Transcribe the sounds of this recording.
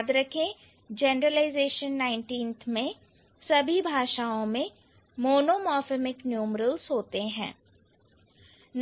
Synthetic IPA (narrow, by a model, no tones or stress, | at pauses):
d̪ɾɐkʰẽ | d͡ʒeːnɾəlaːɪzeːʃənːaːɪ̃ɳʈiːnt̪ʰmẽ | sɐbʱibʱaːʃaːõmẽ | moːnoːmɔːfemɪknjuːmɾəlsɦoːt̪eɦɛ̰̃ː | n